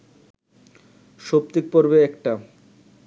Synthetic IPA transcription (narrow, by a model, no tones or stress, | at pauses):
ʃop̚t̪ik̚poɾbeɛkʈa